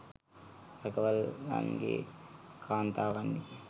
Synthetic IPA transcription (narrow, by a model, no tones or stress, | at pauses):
ɾɐkɐʋɐlːa̰ːnikḭkʰaːnt̪aːʋɐnɖi